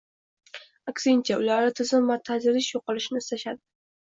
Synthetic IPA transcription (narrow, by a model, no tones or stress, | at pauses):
aksɪnt͡ʃʰaʊlaɾɪt̪ʰɪzɪmvat̪ʰazɪɾɪʃjoqɨlˠɪʃnɪst̪aʃad̪ɪ